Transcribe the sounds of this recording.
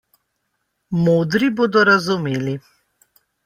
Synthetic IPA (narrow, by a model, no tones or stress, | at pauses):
moːd̪ɾiboːd̪ɔɾazumeːli